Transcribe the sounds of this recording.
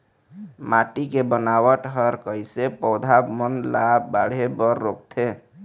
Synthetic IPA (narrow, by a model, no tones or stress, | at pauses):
maʈikebənawəʈɦəɾkəjsepəʊd̪ʱabmənlabaɽ̤ebəɾːok̚t̪ʰe